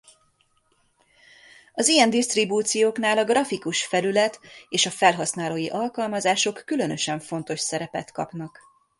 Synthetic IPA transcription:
ɒzijɛnd̪ist̪ribuːt̪sijoːknaːlɒɡrɒfikuʃfɛlylɛt̪eːʃɒfɛlɦɒsnaːloːjiʔɒlkɒlmɒzaːʃo̞kːylø̞nø̞ʃɛɱfo̞n̪t̪o̞ʃsɛɾɛpɛ̰t̪kɒ̰pnɒk

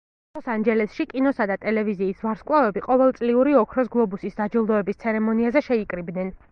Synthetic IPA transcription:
ɔsand͡ʒɛlɛsʃikʼinɔsad̪at̪ʼɛlɛviziːsvaɾskʼwlˠavɛbiqʼɔvɛlˠt̪sʼliuɾiɔkʰɾɔs̬ɡlˠɔbusisd̪ad͡ʒilˠd̪ɔɛbist̪sʰɛɾɛmɔniazɛʃɛikʼɾibd̪nɛn

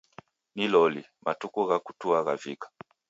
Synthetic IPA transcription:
nilɔli | matukuɣaku̥tuaɣavikḁ

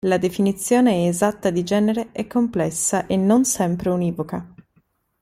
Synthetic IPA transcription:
lad̪efinit̪sːjoːneɛːzat̪ːad̪id͡ʒɛːneɾeɛkːomplɛsːaʔenːonsɛmpɾeuniːvoka

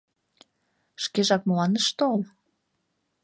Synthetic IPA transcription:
ʃkeʒɑk̚məlɑnəʃt̪ool

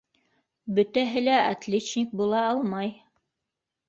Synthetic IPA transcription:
bɵ̆t̪æɦɘlæʔat̪lʲet͡ɕnʲik̚bulˠɑɑlˠmɑj

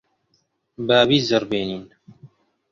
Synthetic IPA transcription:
baːbiːzɐɾbeːniːn

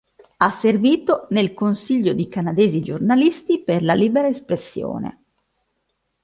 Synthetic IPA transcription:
asːerviːt̪onelkonsiʎːod̪ikanad̪eːzid͡ʒornalist̪iperlaliːbeɾaespɾesːjo̰ːnḛ

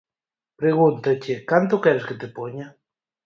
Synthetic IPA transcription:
pɾeɣunt̪at͡ʃekant̪̬okɛɾesket̪epoɲa

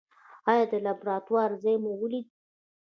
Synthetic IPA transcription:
ɑjɑd̪əlabɾɑt̪wɑɾzajmowəlid̪i

